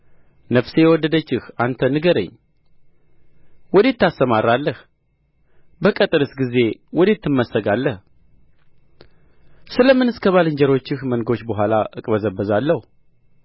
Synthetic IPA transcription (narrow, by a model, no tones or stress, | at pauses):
nəfse̞jɛwɔd̪ːəd̪ət͡ʃːɪhant̪ʰənɨɡəɾə̰ɲː | wɔd̪et̪ːast̪əmaɾalːəh | bəkʼət̪ʼɨɾɨsɡize̞wɔd̪et̪ːɨmːəsəɡalːəh | sɨləmːɨnɨskʰəβalɨɲd͡ʒɛɾo̞t͡ʃːɪhmənɡo̞t͡ʃːbəɦʷalaʔɨkʼbəzəbəzalːəhu